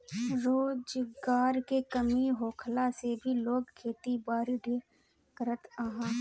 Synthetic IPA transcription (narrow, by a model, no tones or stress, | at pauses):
ɾoːd͡ʒɡaːɾkekəmiɦoːkʰlasebʱiloːɡkʰːeːt̪ibaːɾɖʱe | kəɾət̪əɦãː